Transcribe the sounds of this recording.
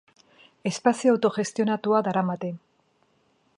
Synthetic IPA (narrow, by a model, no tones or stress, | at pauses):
e̞spasioawt̪o̞ʝe̞st̪io̞nat̪uadaɾamat̪e̞